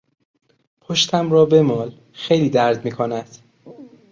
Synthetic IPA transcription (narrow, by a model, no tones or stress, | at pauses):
pʰoʃt̪ʰæmrɒːbemɒːl | xejliːd̪æɾd̪miːkʰonæd̪̥